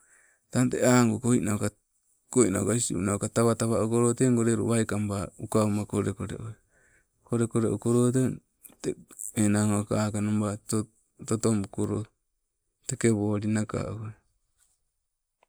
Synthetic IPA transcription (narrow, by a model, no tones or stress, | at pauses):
tanteaŋɡokojnaoka | kojna̰kaisiṵnaokataβataβaukoɾoteŋɡoɾeɾṵβajkambaukaumakoɾekoɾḛʔo | koɾekoɾeʔokoɾot̬e | teenaŋokaakanombat | totomukoɾo | tekeβoːɾinaka̰ʔo